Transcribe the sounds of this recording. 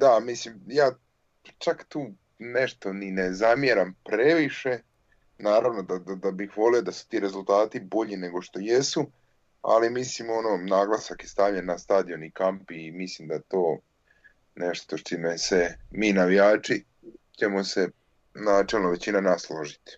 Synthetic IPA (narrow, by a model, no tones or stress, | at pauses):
d̪amislimjaː | t͡ʃakt̪uː | neʃt̪o̞ninezamjeɾampɾeʋiʃe̞ | naːɾaʋno̞d̪ad̪ad̪abixʋo̞liod̪asu̥t̪iːɾe̞zulˠt̪aːt̪ibo̞ʎine̞ɡo̞ʃt̪o̞jesu | a̰limislimo̞nonaːɡlˠasakjest̪aʋʎenːast̪aːd̪ijo̞nikampiːmislimd̪aet̪o̞ː | neʃt̪o̞ʃt͡ʃimesemiːnaʋijaːt͡ʂi | t͡ɕe̞mo̞se | naːt͡ʃelˠnoʋe̞t͡ɕinanaslˠoʒit̪i̥